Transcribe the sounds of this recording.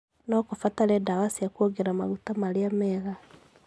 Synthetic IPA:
nɔkofataɾɛdawasiakuoɡɛɾama̰ɣutamaɾeamɛːɣa

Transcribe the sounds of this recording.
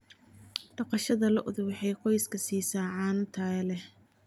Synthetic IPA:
ɖ̥ɑqɑʃɐðɐlɐʔʊðʊwɑħɑjqɔjskʰɐsiːsaːʕɑːnt̪ʰaːlɛh

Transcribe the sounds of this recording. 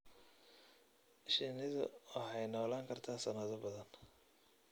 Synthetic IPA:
ʔɪʃɪnɪðʊ̰wɑħɑjnɔːlaːŋkʰɐrt̪ʰaːsɐnɐðʊbɐðɐn

